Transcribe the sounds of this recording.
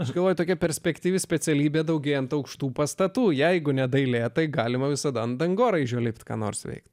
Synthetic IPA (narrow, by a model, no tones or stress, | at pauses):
ɐʃɡɐlˠʋoːjʊt̪oːkʲɛpʲɛɾʲsʲpʲɛkt̪ʲiːʋʲɪsʲpʲɛt͡ssʲɛlʲiːbʲeːd̪ɐʊɡʲeːjɛnt̪ɐʊkʃt̪uːpɐst̪ɐt̪uːjɛɪɡʊnʲɛd̪ɐɪlʲeːt̪ɐɪɡɑːlʲɪmɐʋʲɪsɐd̪ɐnd̪ɐŋɡoːɾɐɪʒʲoːlʲɪpʲt̪kɑ̰ːno̰ːrsʋʲɛ̰ɪkt̪